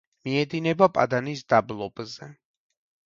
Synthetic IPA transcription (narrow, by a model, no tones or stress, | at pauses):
miɛd̪inɛbapʼa̰d̪anisd̪ablˠɔbzɛ